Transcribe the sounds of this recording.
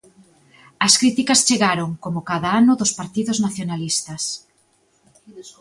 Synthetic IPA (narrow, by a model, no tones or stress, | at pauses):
ɐskɾit̪ikɐst͡ʃeɣaɾoŋkomʊkaðaanʊðʊspaɾt̪iðʊznaθjonalist̪ɐs